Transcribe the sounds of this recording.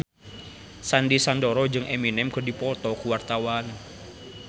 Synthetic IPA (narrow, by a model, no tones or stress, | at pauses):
sandisandɔɾɔd͡ʒɨŋʔeminɛmkɔ̤dipɔt̪ɔkuwart̪awan